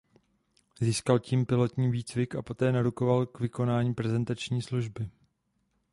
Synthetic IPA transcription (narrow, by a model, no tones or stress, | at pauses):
ziːskalciːmpɪlo̞t̪ɲiːviːt͡svɪkapo̞t̪ɛːnaɾuko̞valkvɪko̞naːɲiːpɾɛzɛnt̪at͡ʃɲiːsluʒbɪ